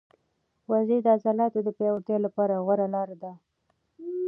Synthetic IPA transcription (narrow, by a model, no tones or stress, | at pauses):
wazed̪əazɑlɑt̪od̪əpewat̪jelapɑɾaɣwaɾalɑɾad̪a